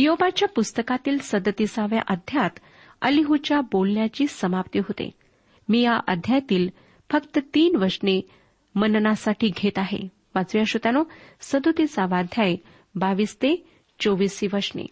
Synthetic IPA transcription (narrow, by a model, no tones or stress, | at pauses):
jobat͡ɕjapust̪əkat̪iːlsəd̪ət̪isaʋja̰ʔəd̪ʱjat̪ | ə̰liɦut͡ɕjabolɳjat͡ɕiːsəmapt̪iɦot̪ḛ | miːjaʔəd̪ʱjat̪iːl | fəkt̪ət̪iːnʋəɾʂne | mənnasaʈʰiːɡʱet̪aɦḛ | ʋat͡sʋjaɕut̪anosəd̪ut̪isaʋad̪ʱjae | baʋiːst̪e | t͡soʋiːsiʋəɾʂnḛ